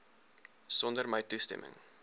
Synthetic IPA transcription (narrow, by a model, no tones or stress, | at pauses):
sɔndərməjtustɛ̰mə̰ŋ